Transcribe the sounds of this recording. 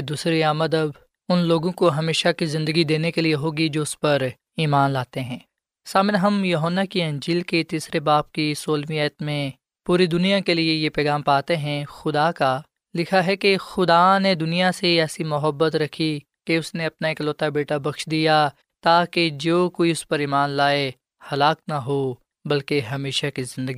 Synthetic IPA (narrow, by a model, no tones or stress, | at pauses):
d̪uːsɾeaːməd̪əb | ʊnloːɡõkoɦɐmeːʃakizɪ̃nd̪əɡid̪eːnekelieɦoːɡid͡ʒoːʊspɐɾ | iːmaːnlaːt̪eɦɛ̃ː | saːmɪnɦɐmjɐɦənːakiɐ̃ɲd͡ʒiːlket̪iːsɾebaːp̚kisoːlmijəːt̪mẽ | puːɾid̪ʊnijakeliejepɛːɣaːmpaːt̪eɦɛ̃xʊd̪aka | lɪkʰaɦɛkexʊd̪aned̪ʊnijaseɛːsimʊɦəbːət̪ɾɐkʰi | keʊsneɐpnaeːkloːt̪abeːʈabɐkʃd̪ija | t̪aːked͡ʒoːkoːiʊspɐɾiːmaːnlaːe | hɐlaːk̚naɦo | bɐlkeɦɐmeːʃakizɪ̃nd̪əɡi